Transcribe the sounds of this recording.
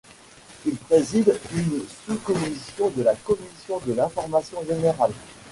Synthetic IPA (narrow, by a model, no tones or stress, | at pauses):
ilpχezid̪ynsukɔmisjɔ̃d̪əlakɔmisjɔ̃d̪əlɛ̃fɔʁmasjɔ̃ʒeneʁal